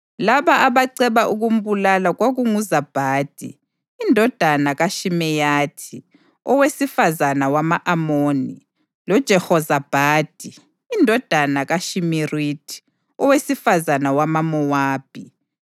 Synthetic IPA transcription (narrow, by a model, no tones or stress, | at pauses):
laβaʔaβaǀɛβaʔuɣum̩βulalaɣwoɣuŋuzab̥ʱaːd̥ʱḭː | ndʱɔd̥ʱanaɣaʃimɛjatʰi | ɔwesifazanawamaʔamoːni | lɔd̥ʒ̥ʱɛhɔzab̥ʱaːd̥ʱiː | ndʱɔd̥ʱanaɣaʃimiritʰʼi̥ | ɔwesifazanawamamɔwaːb̥ʱi